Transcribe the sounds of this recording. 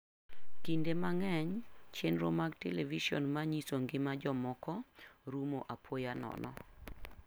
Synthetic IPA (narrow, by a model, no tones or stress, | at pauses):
kindemaŋɛɲt͡ʃenɾomaɡteleviʃiɔ̰nmaɲisoŋɡɪmad͡ʒɔmɔkɔɾumoʔapʰojanɔ̰nɔ̰